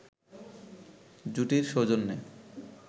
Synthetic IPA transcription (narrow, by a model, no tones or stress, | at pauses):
d͡ʑuʈiɾʃod͡ʑonːe